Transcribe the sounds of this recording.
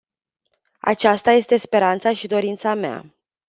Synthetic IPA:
a̰t͡ʃast̪aje̞st̪e̞spe̞ɾant̪saʃid̪o̞ɾint̪samea̰

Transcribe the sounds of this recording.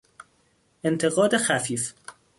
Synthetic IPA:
ʔent̪ʰe̞ɣɒːd̪exæfiːf

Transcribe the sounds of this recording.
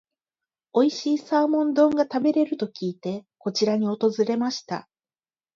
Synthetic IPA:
o̞iɕiːsaːmõ̞nd̪õ̞ŋɡat̪abe̞ɾe̞ɾɯ̟t̪o̞kʲiːt̪e̞ko̞t͡ɕiɾaɲ̟io̞t̪o̞zɨɾe̞maɕi̥t̪a̰

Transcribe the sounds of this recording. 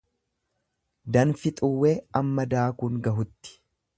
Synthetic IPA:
d̪ɐnfɪt̪ʼʊwːeːɐmːɐd̪aːkʊŋɡɐɦʊt̪ːɪ̥

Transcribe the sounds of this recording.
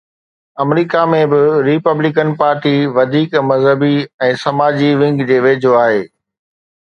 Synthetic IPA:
ɐmɾiːkamẽbɪɾɪpəblɪkənpaːɾʈiʋɐd̪ʱiːkmɐzɦəbiɛ̃ːsɐmaːd͡ʑiʋɪ̃ŋɡd͡ʑeːʋeːd͡ʑʱoaːɦeː

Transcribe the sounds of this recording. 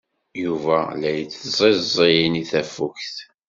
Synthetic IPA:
juvælæjət͡sːzˤezˤijəniθæfuçθ

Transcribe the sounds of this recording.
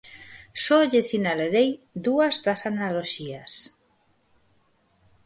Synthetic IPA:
sɔʎesinalaɾejd̪uazðasanaloʃias

